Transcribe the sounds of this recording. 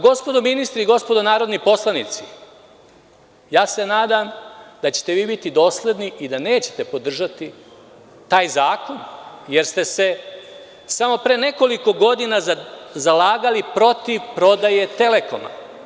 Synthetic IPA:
ɡo̞spo̞d̪ominist̪ɾiɡo̞spod̪onaːɾo̞d̪nipo̞slˠanit̪si | jaːse̞naːd̪amd̪at͡ɕe̥t̪e̞ʋiːbit̪id̪o̞ːsle̞d̪niid̪ane̞ːt͡ɕe̥t̪e̞po̞d̪r̩ʒat̪i | t̪aːjzaːko̞nje̞ɾst̪e̞se̞ | samo̞pɾeːne̞ko̞liko̞ɡo̞d̪inazalaːɡalipɾo̞t̪iʋpɾo̞d̪aje̞t̪e̞le̞ko̞̰ma̰

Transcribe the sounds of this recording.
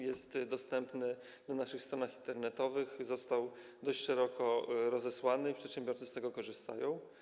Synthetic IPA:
jɛst̪d̪ɔst̪ɛmpnɘ | nanaʂɘxst̪ɾɔnaxint̪ɛɾnɛt̪ɔvɘxzɔst̪awd̪ɔɕt͡ɕʂɛɾɔkɔɾɔzɛswanɘipʂɛt̪ɕɛ̃mbʲjɔɾt̪sɘst̪ɛɡɔkɔʐɘst̪a̰jɔ̃w̃

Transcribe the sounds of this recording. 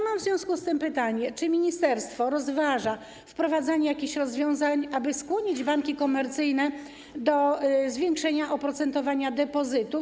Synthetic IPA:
mamvzvʲjɔ̃w̃skust̪ɘmpɘt̪aɲɛt͡ʂɘmʲiɲist̪ɛɾst̪fɔɾɔzvaʐa | fpɾɔvad̪zaɲɛjakʲiɕɾɔzvʲjɔ̃w̃zaɲabɘskwɔɲid͡ʑbaŋkʲikɔmɛɾt̪sɘjnɛ | d̪ɔzvʲjɛŋkʂɛɲaʔɔpɾɔt̪sɛnt̪ɔvaɲad̪ɛpɔzɘt̪u

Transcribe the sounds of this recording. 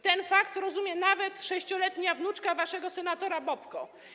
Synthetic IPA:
t̪ɛnfakt̪ɾɔzumʲjɛnavɛt̪ʂɛɕt͡ɕɔlɛt̪ɲavnut͡ʂkavaʂɛɡɔsɛnat̪ɔɾabɔpkɔ

